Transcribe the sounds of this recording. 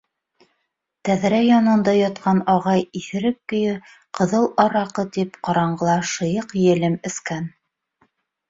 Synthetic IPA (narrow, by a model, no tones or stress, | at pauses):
t̪æðɾæjɑnɤ̆nd̪ɑjɑt̪̚qɑnɑʁɑjiθɘ̆ɾɘp̚kɵ̆jɘ | qɤ̆ðɤlˠɑɾɑqɤt̪ipqɑɾɑɴɢɤ̆lˠɑʃɤ̆jɤqjɘ̆lɘmɘ̆skæn